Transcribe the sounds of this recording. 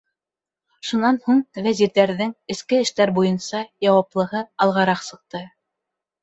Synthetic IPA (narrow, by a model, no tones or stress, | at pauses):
ʃunɑnhuɴvæziɾðæɾðɘŋɘ̆skɘɘ̆ʃt̪æɾbujɤnsɑjɑwɑplˠɤ̆ɦɤɑlˠʁɑɾɑqsɤ̆q̚t̪ɤ